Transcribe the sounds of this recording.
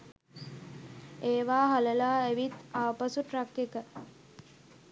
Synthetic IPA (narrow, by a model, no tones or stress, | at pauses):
eːʋaːɦaləlaːæʋit̪aʋpasuʈɾakːekə